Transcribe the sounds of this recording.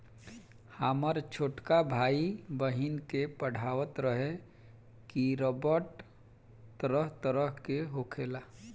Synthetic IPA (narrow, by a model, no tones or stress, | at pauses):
haːməɾt͡ʃʰoːʈkabʱaːibəɦinkepəɽ̤ʱaːʋət̪ɾəɦe | kiɾoːbəɾʈ | t̪əɾəɦt̪əɾəɦkeɦokʰeːlaː